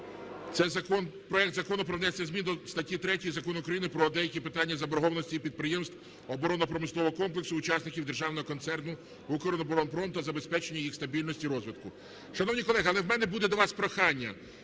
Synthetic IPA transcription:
t̪sɛjzɐkɔnpɾɔɛk̚t̪zɐkɔnʊpɾɔʋnɛsʲːɐzʲmʲind̪ɔst̪ɐtʲːit̪ɾɛtʲijzɐkɔnʊkɾɐjinɪpɾɔd̪ɛjɐkʲipɪt̪ɑnʲːɐzɐbɔɾɦɔʋɐnɔsʲtʲiːpʲid̪̚pɾɪjemst̪ | ɔbɔɾɔnɔpɾɔmɪslˠɔʋɔɦɔkɔmplˠeksʊːt͡ʃɑsnɪkʲiwd̪erʒɑwnɔɦɔkɔnt̪sɛrnʊ | ukɔɾɔnɔbɔɾɔnpɾɔmt̪ɐzɐbespɛt͡ʃenʲːɐjixst̪ɐbʲilʲnɔsʲtʲiɾɔzʋɪt̪kʊ | ʃɐnɔwnʲikɔlˠɛɦɐlˠɛwmɛnɛbud̪ɛd̪ɔʋɑspɾɐxɑnʲːɐ̰

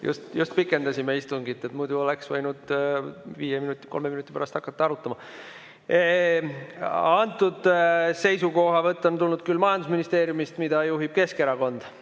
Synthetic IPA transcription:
jṵst̪just̪̚pikːˑe̞nd̪ɑsimeist̪uŋɡit̪ːˑet̪mujd̪̥uo̞leksvɤjnud̪̥ | viːjeminut̪ʲˑːi̥ko̞lmeminut̪ːˑipæɾɑst̪ɑkːˑɑt̪ːɑɑɾut̪ːˑɑmɑ | ɑnt̪ːˑud̪se̞jsuko̞ɦɑvɤt̪ˑːo̞nt̪ulnud̪̥̚kylːmɑjɑnd̪us̬minist̪e̞ːɾjumist̪mid̪̥ɑjuɦib̥̚ke̞skeɾɑko̞nd̪̥

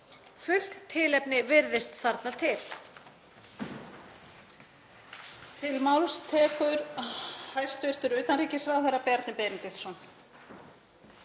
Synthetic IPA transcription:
fʏl̥kt̪ʰːɪlɛpnɪvɪɾðɪst̪θaɾt̪nat̪ʰɪl̥ | t̪ʰɪlmawlst̪ʰɛːkʏɾhajr̥st̪vɪr̥t̪ʏɾʏɥt̪anɾiːcɪsɾaðfajɾapɛjaɾt̪nɪpɛːnɪt̪ɪθsɔn

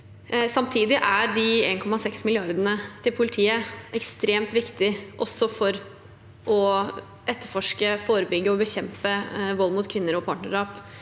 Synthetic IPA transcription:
sɑmt̪ʰiːd̪ɪʔæɖɪeːnkʰɔmːɑsɛksmɪlɪɑɾd̪ənət̪ʰɪlpʰʊlɪt̪ʰiːəɛkst̪ɾeːmt̪ʋɪkt̪ɪʔɔsɔfɔɾ | ʔɔ | ɛt̪ːəɾfɔʂkəfoːɾəbʏɡːəɔbəçɛmpəʋɔlːmʊt̪kʰʋɪnːəɾɔpʰɑːʈɳəʂɑːp

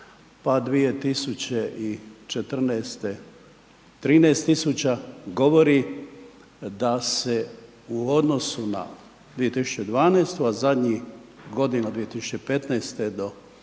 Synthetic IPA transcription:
pad̪ʋije̞t̪isut͡ɕeʔit͡ʃet̪r̩nɛːst̪e | t̪ɾiːneːst̪ːisut͡ɕaɡo̞ʋo̞ɾi | d̪ase | uo̞d̪no̞suna̰ | d̪ʋije̞t̪isu̥t͡ɕed̪ʋaːnest̪uazad̪ɲiɡo̞d̪inad̪ʋije̞t̪isu̥t͡ɕeipe̞t̪nɛjst̪ed̪o̞

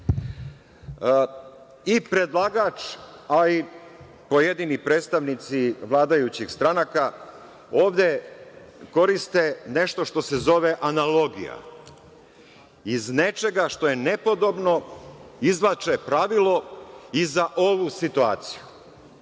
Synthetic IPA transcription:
ipɾe̞d̪lˠaɡaːt͡ʃai | po̞je̞d̪inipɾeːt̪st̪aʋnit̪siʋlaːd̪ajut͡ɕixst̪ɾanaka | o̞ːʋd̪e̞ | ko̞ɾist̪e̞ne̞ʃt̪o̞ʃt̪o̞sezo̞ʋe̞ʔanalo̞ɡḭja̰ | izne̞t͡ʃe̞ɡaʃt̪o̞je̞ne̞po̞d̪o̞bno̞izlat͡ʃepɾaʋilˠo̞izaʔo̞ʋusit̪uaːt̪si̥ju

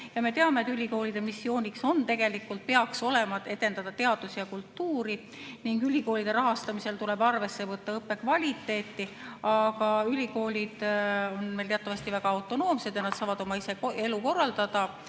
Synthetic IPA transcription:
jɑme̞t̪e̞ɑme̞t̪ːˑylʲiko̞ːlid̪̥e̞misːio̞ːnʲikso̞nt̪e̞ɡ̥e̞likːult̪̚peɑkso̞le̞mɑe̞d̪e̞nd̪ɑd̪̥ɑt̪e̞ɑd̪̥usijɑkult̪ːuːɾi | niŋɡylʲiko̞ːlid̪̥e̞ɾɑɦɑst̪ɑmise̞lt̪ule̞bɑrve̞sːe̞vɤt̪ːɑɤpːe̞kvɑlʲit̪ːˑe̞ːt̪ːi | ɑɡɑylʲiko̞ːlʲid̪̥o̞nme̞jlt̪e̞ɑt̪ːˑɑvɑst̪ivæɡ̥ɑɑwt̪ːˑo̞no̞ːmse̞d̪jɑnɑd̪̥sɑːvɑd̪̥o̞mɑisee̞luko̞rːɑld̪̥ɑd̪̥ɑ

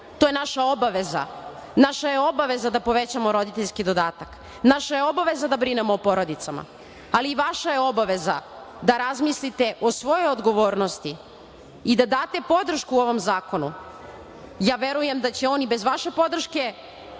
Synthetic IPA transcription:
t̪ojenaʃao̞baʋe̞za̰naʃaje̞o̞baʋe̞zad̪apo̞ʋet͡ɕamo̞ɾo̞d̪it̪e̞ʎʲskid̪o̞d̪aːt̪ak | naʃajeo̞baʋe̞zad̪abɾinemoːpo̞ɾo̞d̪it̪sama̰ | aliːʋaʃajeo̞baʋe̞za̰ | d̪aɾazmislit̪e̞ʔo̞sʋo̞jojod̪ɡo̞ʋoːɾnost̪i | id̪ad̪aːt̪e̞po̞d̪ɾ̩ʃkuo̞ʋo̞mzaːkonu | jaːʋe̞ɾuje̞md̪at͡ɕe̞o̞nibe̞zʋaʃe̞po̞d̪r̩ʃke̞

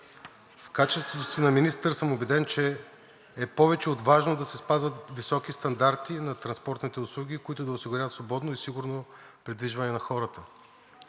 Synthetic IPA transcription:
fkat͡ʃɛst̪vot̪osinɐminist̪ɾsəmobɛd̪ɛnt͡ʃɛː | pɔvɛt͡ʃɛod̪vaʒnod̪ɐsɛspazvət̪visɔkist̪ɐnd̪aɾt̪inɐt̪ɾɐnspɔɾt̪nit̪ɛʊslˠuɡikoit̪ʊd̪ɐʊsiɡʊɾʲavət̪svˠobɔd̪noisiɡʊɾnopɾid̪viʒvɐnɛnɐxɔɾət̪ə

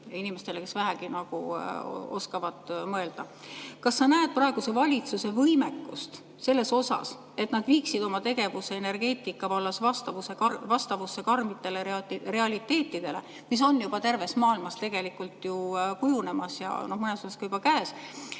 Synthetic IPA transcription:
inime̞st̪ele̞ke̞svæɦæɡinɑɡ̥u | o̞skɑvɑd̪̥mɤe̞ld̪̥ɑ | kɑsːɑnæed̪̥̚prɑeɡ̥use̞vɑlʲit̪suse̞vɤjme̞kːˑust̪ | se̞lːe̞so̞sɑ̰s | e̞t̪nɑd̪̥viːksid̪o̞mɑt̪e̞ɡ̥e̞vuse̞ene̞rɡ̥e̞ːt̪ːˑikːˑɑvɑlːɑsvɑst̪ɑvuse̞kɑvɑst̪ɑvusːe̞kɑrmit̪ːˑe̞le̞ire̞ɑlʲit̪ːe̞ːt̪ːˑid̪̥e̞le̞̰ | mis̬o̞njub̥ɑt̪e̞rve̞smɑːilmɑst̪e̞ɡ̥e̞likːult̪jukujune̞mɑsjɑ̰no̞hmɤne̞sosɑskɑjub̥ɑkæːs

